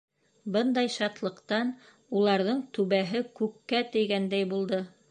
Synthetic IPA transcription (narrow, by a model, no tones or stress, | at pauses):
bɤnd̪ɑjʃɑt̪lˠɤ̆qt̪ɑn | ulˠɑɾðɤɴt̪ʉβæɦɘkʉkːæt̪ɘ̆jɡænd̪æjbulˠd̪ɤ